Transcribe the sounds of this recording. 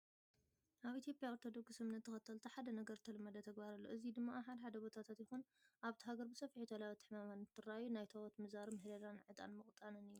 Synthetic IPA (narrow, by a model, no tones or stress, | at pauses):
ʔaβʔit̪ʰjo̞pʼjaoɾt̪ʰo̞d̪o̞kssɨmnɐt̪ʰːɨxɐt̪ʰɐlt̪ʰaħad̪ɐnɐɡɐɾt̪ʰɐlɨmːɐd̪ɐt̪ʰɐɡbaɾɐlːoʔɨzid̪ɨmːaħad̪ɐħad̪ɐbo̞t̪ʰat̪ʰat̪jɪxun | ʔaβt̪ʰɐɦaɡɐɾbɨsɐfiħut̪ʰɐlawɐt̪ʰːɨ̥ħmamanɨt̪ʰːɨrajunajt̪ʰɐwot̪mɨzaɾɨmɨhlɐlanʕɨt̪ʼa̰nmɨχʼt̪ʼanɨnɨjːu